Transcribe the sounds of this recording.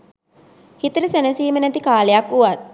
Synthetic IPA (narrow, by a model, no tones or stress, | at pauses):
hit̪əɾəsenəsiːmənæt̪ikaːlejakuʋat̪̚